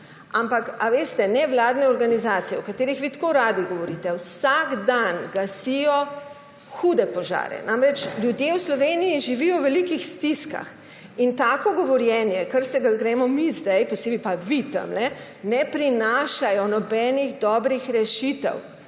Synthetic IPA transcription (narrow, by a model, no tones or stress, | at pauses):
ampakaʋeːst̪ɛnɛʋlaːd̪nɛɔɾɡanizaːt̪sijɛɔkat̪eːɾixʋit̪koɾaːd̪iɡɔʋɔɾit̪ɛwsaɡd̪anɡasijɔ | xud̪ɛpɔʒa̰ːɾɛ̰nʔamɾɛt͡ʃlʲjud̪jewslɔʋeːnijiʒiʋiːjɔwʋɛlikixst̪iska̰x | int̪aːkɔɡɔʋɔɾjɛnjɛkəɾsɛɡaɡɾɛːmɔmizd̪ajpɔseːbipaʋit̪ə̰mlɛ | nɛpɾinaːʃajɔnɔbɛːniɣd̪ɔːbɾixɾɛʃit̪ɛ̰w